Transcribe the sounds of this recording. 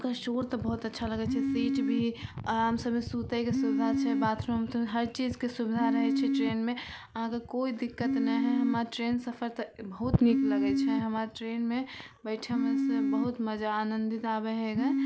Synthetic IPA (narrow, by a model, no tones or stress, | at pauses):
kəʃoɾt̪ɔbəɦut̪ətːʃʰaləɡɛt͡ʃʰɛsiʈbʱiəmsəbmesut̪əjkesubid̪ʱat͡ʃʰɛbat̪ʰɾɦəmsəbeɦəɾt͡ʃid͡ʒkesubid̪ʱaɾəɦɛt͡ʃʰɛʈɾenmeəɦãkekoid̪ikːət̪nɛɦɛɦəmaʈɾensəpʰəɾt̪əbəɦut̪nikləɡɛt͡ʃʰɛɦəmaɾʈɾenme | bəɪʈʰamesebəɦut̪məd͡ʒaːnənd̪it̪abɛɦeɡa